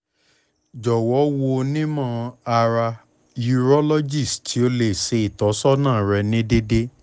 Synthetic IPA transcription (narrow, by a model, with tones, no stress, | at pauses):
d͡ʒɔ˨wɔ˨˦wo˧nĩ˦mã˦˨a˧ɾa˧ | ju˧ɾɔ˦lɔ˦d͡ʒi˦˨stʰi˨˦o˧le˨se˧i˨tɔ˨˦sɔ˦nãː˦˨ɾɛ˧nĩ˦de˦de˦